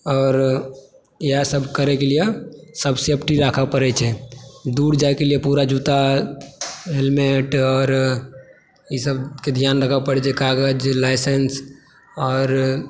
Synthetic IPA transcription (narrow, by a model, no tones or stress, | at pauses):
ɔːɾ | jasəbʱkəɾɛkeliesəbsepʰʈiɾaːkʰapəɾɛt͡ʃʰɛd̪uːɾd͡ʒaekeliepuɾad͡ʒut̪a | ɦelmeʈɔːɾ | isəbked̪ʱjaːnɾəkʰapəɽɛt͡ʃʰɛkaɡəd͡ʒlaɪsens | ɔːɾ